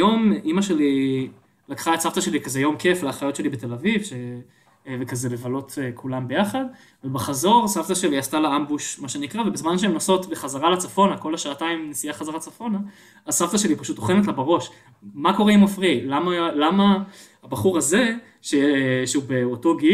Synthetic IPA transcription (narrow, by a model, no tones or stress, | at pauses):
jo̞mimaʃe̞li | lakχaetsavt̪aʃe̞likazejo̞mke̞fleaχajo̞tʃe̞libet̪e̞lavivʃe | vekazelevalo̞tkʰulambe̞jaχad̪ | velbaχazo̞ʁsavt̪aʃe̞liast̪aleambuʃmaʃenikʁavebizmanʃeemnoso̞t̪beχazaʁalat͡safo̞nako̞laʃaːtaimnesijaχazaʁat͡safo̞naː | zsavt̪aʃe̞lipaʃut̪oχenet̬labaʁo̞ʃ | mako̞ʁeimafʁilamalama | abaχuʁaze̞ | ʃeʃeubeoto̞ɡi